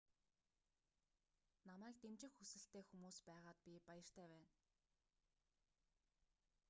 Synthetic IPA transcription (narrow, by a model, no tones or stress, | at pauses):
namæːkt̪emt͡ɕɪ̆xːusɘ̆ɬt̪eːxumuːspæːʁaːt̪̚pʲipajə̆r̥t̪ʰæːwæːn